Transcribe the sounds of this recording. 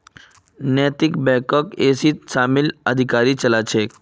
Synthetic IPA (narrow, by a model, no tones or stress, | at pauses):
nɛːt̪ɪkbɛːkɔkeːsit̪ʃaːmɪləd̪ʱɪkaːɾit͡ʃəlat͡ʃʰeː